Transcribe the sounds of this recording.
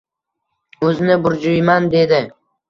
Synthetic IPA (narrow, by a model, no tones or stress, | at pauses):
ɵzɪnɪbʊɾd͡ʒʊjmand̪e̞d̪ɪ